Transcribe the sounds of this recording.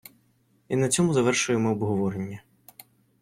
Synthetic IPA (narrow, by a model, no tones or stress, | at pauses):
inɐt͡sʲɔmʊzɐʋɛrʃʊjemɪɔbɦɔʋɔɾenʲːɐ